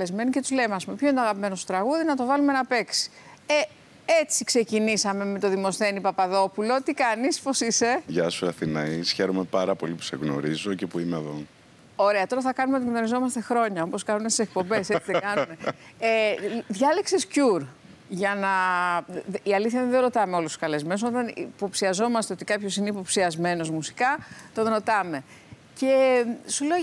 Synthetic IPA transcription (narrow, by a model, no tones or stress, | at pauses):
ezme̞nice̞t̪uzle̞meɐspume̞pço̞int̪oɐɣɐpime̞no̞st̪ot̪ɾɐɣuðinɐt̪o̞vɐlumenɐpe̞ksi̥ | e | et͡sikse̞cinisɐme̞me̞t̪o̞ðimo̞sθe̞nipɐpɐðo̞pulo̞t̪ikɐnispo̞sise̞ʝɐsuɐθinɐisçe̞ɾome̞pɐɾɐpo̞lipu̥se̞̰ɣno̞̰ɾizo̞ce̞puimeɐðo | o̞ɾe̞ɐt̪o̞ɾɐθɐkɐnumeot̪iɣno̞ɾizo̞mɐst̪e̞xɾo̞ɲɐopo̞skɐnumest̪isek̚po̞mbe̞set͡siðɡɐnume̞eðʝɐleksescuɾ | ʝɐnɐ | iɐliθçɐðenðeɾo̞t̪ɐme̞o̞lust̪u̥skɐle̞zme̞noso̞t̪ɐnḭpo̞psiɐzo̞mɐst̪e̞o̞t̪ikɐpço̞sineipo̞psiɐzme̞no̞zmusi̥kɐt̪o̞nɾo̞t̪ɐme̞ | ce̞sule̞o